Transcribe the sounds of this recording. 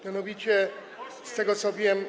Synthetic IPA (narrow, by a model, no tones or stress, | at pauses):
mʲjanɔvʲit͡ɕɛ | st̪ɛɡɔt̪sɔvʲjɛm